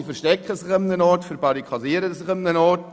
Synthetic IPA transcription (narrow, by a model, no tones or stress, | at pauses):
fɛʃtɛkχəsɪχɪmnənɔɾtfəɾbɑɾikʰχɑsiːəɾəsɪχɪmnənɔt